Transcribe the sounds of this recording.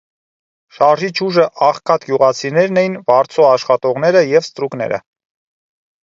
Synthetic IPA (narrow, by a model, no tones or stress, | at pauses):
ʃɑɾʒit͡ʃʰuʒəʔɑχkʰɑt̪ɡjuʁɑt͡sʰinɛɾnɛjinvɑɾt͡sʰɔɑʃχɑt̪ɔʁnɛɾəjɛvst̪ɾuknɛ̰ɾə̰